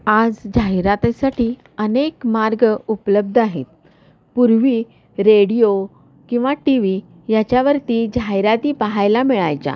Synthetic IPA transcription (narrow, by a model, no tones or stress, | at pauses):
ad͡zd͡ʑʱaiɾat̪asaʈiː | ənekmaɾɡəupləb̚d̪ʱaɦḛt̪̚ | puɾʋiː | ɾeɽijo | kĩw̃ʋaʈiʋi | jat͡ɕjaʋəɾt̪iːd͡ʑʱaɦiɾat̪iːpaɦajlamiɭajt͡sa̰